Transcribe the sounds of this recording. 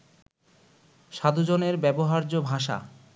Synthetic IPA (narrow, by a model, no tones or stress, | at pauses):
ʃad̪ud͡ʑoneɾbɛboɦaɾd͡ʑobʱaʃa̰